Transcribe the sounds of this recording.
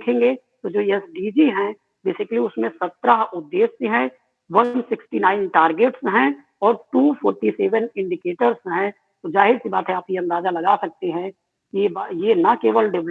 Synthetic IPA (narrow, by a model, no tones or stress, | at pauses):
kʰẽːŋɡeː | t̪od͡ʒoːɛsɖiːd͡ʒiɦɛ̃ | beːsɪkəliʊsmẽsɐt̪ːɾaɦʊd̪ːeːsseɦɛ̃ | ʋɐnsɪksʈinaːɪnʈaːɾɡeːʈsɦɛ̃ | ɔːɾʈuːpʰoːɾʈiseːʋənɪ̃ɳɖɪkeːʈəɾsɦɛ̃ | t̪od͡ʒaːɦɪd̪sibaːt̪ɦɛ̃aːpkiɐ̃nd̪aːzalɐɡasɐk̚t̪eɦɛ̃ | kiebjenɐkeːʋəlɖɪʋl